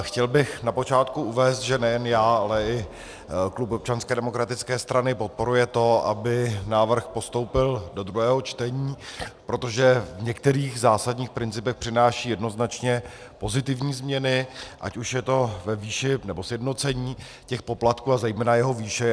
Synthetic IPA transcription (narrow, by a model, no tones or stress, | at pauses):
xcɛlbɪxnapo̞t͡ʃaːt̪kuʔuvɛːst̪ʒɛnɛjɛnjaːalɛɪ | klupop̚t͡ʃanskɛːdɛmo̞kɾat̪ɪt͡skɛːst̪ɾanɪpo̞t̪̚po̞ɾujɛt̪o̞a̰bɪnaːvr̩xpo̞st̪o̞wpɪldo̞d̪ɾuɦɛːɦot͡ʃt̪ɛɲiːpɾo̞t̪o̞ʒɛvɲɛk̚t̪ɛɾiːɣzaːsadɲiːxpɾɪnt͡sɪpɛxpr̥ɪnaːʃiːjɛdno̞znat͡ʃɲɛ | po̞zɪt̪ɪvɲiːzmɲɛnɪʔa̰cuʃjɛt̪o̞vɛviːʃɪnɛbosjɛdnot͡sɛɲiː | cɛxpo̞plat̪kuːazɛjmɛːnajɛɦo̞viːʃɛ